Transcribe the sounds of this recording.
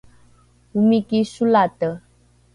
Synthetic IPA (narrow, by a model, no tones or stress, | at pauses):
umikisulat̪ə